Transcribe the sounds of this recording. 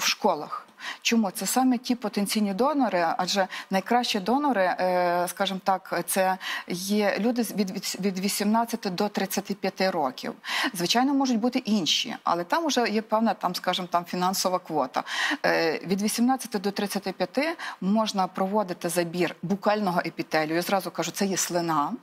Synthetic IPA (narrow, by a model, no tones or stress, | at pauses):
wʃkɔlˠɐ̰xt͡ʃɔmut̪sɛsɑmetʲipɔt̪enʲt͡sʲijnʲid̪ɔnɔɾɪɐʒɛnɐjkɾɑʃt͡ʃid̪ɔnɔɾɪskɑʒɪmt̪ɑkt̪sɛjɛlʲud̪ɪʋʲid̪ʲʋʲid̪ʋʲisʲimnɑt͡sʲːɐt̪ɪd̪ɔt̪ɾɪt͡sʲːɐt̪ɪpʲjɐt̪ɪɾɔkʲḭwzʋɪt͡ʃɑjnɔmɔʒʊtʲbut̪ɪʔinʲʃḭɐ̰lˠɛt̪ɑmʊʒɛjɛpɛwnɐt̪ɑmskɑʒɪmt̪ɑmfʲinɑnsɔʋɐkʋɔt̪ɐ̰ | ʋʲid̪ʋʲisʲimnɑt͡sʲːɐt̪ɪd̪ɔt̪ɾɪt͡sʲːɐt̪ɪpʲjɐt̪ɪmɔʒnɐpɾɔʋɔd̪ɪt̪ɪzɐbʲirbʊkɑlʲnɔɦɔʔepʲit̪ɛlʲʊjazɾɑzʊkɑʒʊt̪sɛjɛslˠɪnɑ